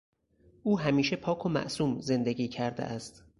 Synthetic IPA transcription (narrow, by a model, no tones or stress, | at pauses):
ʔuːɦæmiːʃe̞pʰɒːkʰomæ̰ʔsuːmze̞nd̪eɡiːcʰæɾd̪ḛʔæst̪